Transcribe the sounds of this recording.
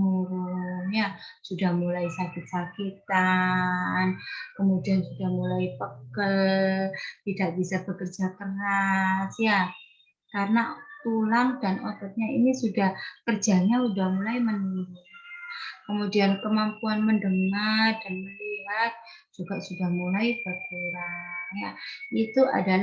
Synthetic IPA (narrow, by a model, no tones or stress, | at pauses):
muɾunjasudahmulaisakɪt̪̚sakit̪a | nkəmudiansudahmulaipəɡəl | t̪idaʔbisab̥əkərd͡ʒakərasja | kaɾənat̪ulaŋdanat̪at̪̚ɲaḭnisudahkərd͡ʒaɲaudahmulajmənuɾ | kəmudiankəmampuanməndəŋad̥anməliɦat̪̚ | d͡ʒ̥uɡaʔsudahmulajbəkuɾanjait̪ua̰dal